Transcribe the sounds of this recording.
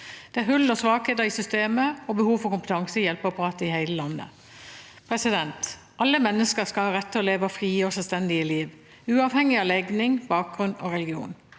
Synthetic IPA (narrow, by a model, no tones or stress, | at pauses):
d̪̥ɛæɾhʉlːɔsʋɑːkheːd̪əɾɪsʏst̪eːməɔbəhuːʋfɔkʊmpət̪ʰɑŋsəjɛlpɑpʁɑːt̪əɪhæɪləlɑnːə̰ | pʰʁɛsɪd̪ɛnt̪ | ʔɑlːəmɛnːəskəskɑlhɑːʁɛt̪ʰːɪɔːleːʋɑfʁiːɔsɛlst̪ɛnd̪ɪəliːʋ | ʉːɑːʋhɛŋːɪɑːlɛɡnɪŋbɑːk̚ɡ̥ʁʉnɔ̰ːʁɛlɪɡɪṵːn